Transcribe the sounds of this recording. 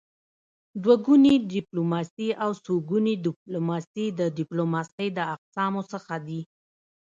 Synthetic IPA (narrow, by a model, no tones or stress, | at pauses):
d̪waɡunidɪplomɑsiʔawsoɡunidɪp̚lomɑsid̪ədɪplomɑsəjd̪əaqsɑmosəxad̪i